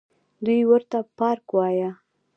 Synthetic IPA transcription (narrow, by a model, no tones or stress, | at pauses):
d̪ujwəɾt̪apɑɾkwɑja